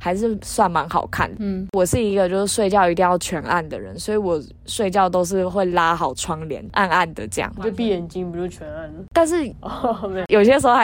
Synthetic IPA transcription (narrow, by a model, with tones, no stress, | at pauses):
ha˧˥ɪʂ̬ɻ̩˥˩swa˥˩nma˧˥ŋxɑ̰˨˩ʊkʰa̰˥˩nd̪ə˩˥wɔ˨˩ʂɻ̩˥˩i˧˦ɡə˨˧t͡ɕjo˥˧ʊʂɻ̩˥˧ʂwe˥˧ɪt͡ɕjɑ˥˧ʊi˧˥t̪i˥˧ŋjɑ˥˨˩ʊt͡ɕʰɥɛ˧˥na̰˥˩nd̪ə˨˩ɻə̰˧˦nswɔ˧˥i˨˧˥wɔ˨˩ | ʂwe˥˧ɪt͡ɕjɑ˥˩ʊt̪o˥ʊʂ̬ɻ̩˥˧xwe˥˩ɪla˥xɑ˨˩ʊʈ͡ʂʰwɑ˥ŋljɛ̰˧˦nʔa˥˧na˥˩nd̪ə˨˩ʈ͡ʂɤ˥˧jɑ̰˥˩ŋo˥pi˥˩jɛ˨˩nt͡ɕi˥ŋpi˨˩u˩u˥˩t͡ɕʰɥɛ˧˦na˥˩n˨t̪a˥˧nʂ̬ɻ̩˥˩˨ | jo˨ʊi˩ɕjɛ˦˥ʂ̩˧˥o˧˦